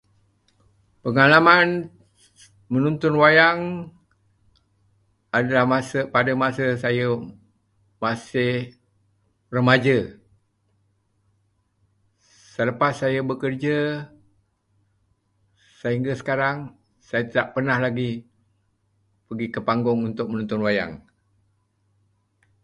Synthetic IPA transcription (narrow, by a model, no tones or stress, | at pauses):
pəŋalaman | mənunt̪ʊnwajaŋ | adalahmasəpadəmasəsajə | masɪh | rəmad͡ʒə | sələpasːajəbəkərd͡ʒə | saɦiŋɡasə̥kaɾaŋ | sajət̪idaʔpərnahlaɡi | pəɡikəpaŋɡʊŋunt̪ʊk̚mənunt̪ʊnwaja̰ŋ